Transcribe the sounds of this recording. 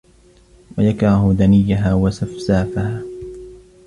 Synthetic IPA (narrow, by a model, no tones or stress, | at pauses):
wajakɾˤɑhʊd̪anɪjːaɦaːwasafsaːfahaː